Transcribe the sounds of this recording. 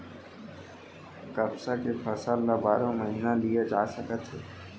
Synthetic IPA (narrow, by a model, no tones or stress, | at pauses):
kəbsakepʰəsaːlːabaːɾõməɦiːnalijed͡ʒaːsəkət̪ɦɛː